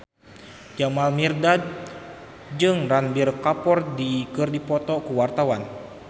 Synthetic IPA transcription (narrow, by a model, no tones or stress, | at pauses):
d͡ʒamalmirdad̪̚ | d͡ʒɨŋranbirkapɔrdikɨrdipɔt̪ɔkuwart̪awan